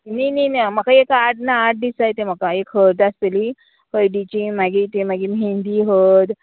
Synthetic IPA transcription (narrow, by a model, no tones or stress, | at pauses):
nininam̤akaekaʈ̚naːʈ̚d̪isajt̪em̤akaekɦəɾd̪ast̪eli | həjɖit͡ɕimaɡit̪emaɡimɦind̪iɦot̪